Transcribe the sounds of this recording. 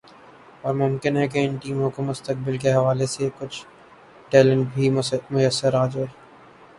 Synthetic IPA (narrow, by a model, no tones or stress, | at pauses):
ɔːɾmʊ̃mkɪnɦɛk̬eɪnʈiːmõkomʊst̪ək̚bɪlkeɦɐʋaːlesekʊt͡ʃʰ | ʈɛːlə̃ɳʈbʱimʊjəsːəɾaːd͡ʒae